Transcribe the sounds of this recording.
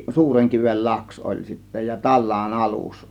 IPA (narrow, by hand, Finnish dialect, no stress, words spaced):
suːreŋkiʋel lɑks ol sitːæ jɑ tɑlːɑːn ɑlus